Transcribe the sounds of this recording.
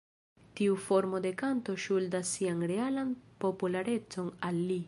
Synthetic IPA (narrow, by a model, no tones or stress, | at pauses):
tiufo̞ɾmo̞de̞kanto̞ʃuldasːianɾe̞alanpo̞pulaɾe̞t͡so̞nalːi